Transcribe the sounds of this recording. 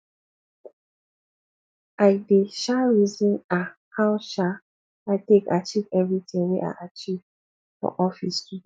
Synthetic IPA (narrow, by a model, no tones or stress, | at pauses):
aɪdeʃaɹizĩnahawʃa | aɪteka̰t͡ʃivɛvɹitʰĩŋweʔa̰ʔat͡ʃiv | fɔ̰ʔɔfḭstu